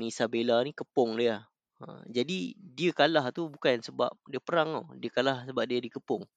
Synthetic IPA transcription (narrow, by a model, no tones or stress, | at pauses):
nisabelanikəpɔŋlia | ə̰d͡ʒadidiəkalaht̪ubukansəba̰p̚diəpəɾaŋo̰diəkalahsəbap̚diadikəpʊŋ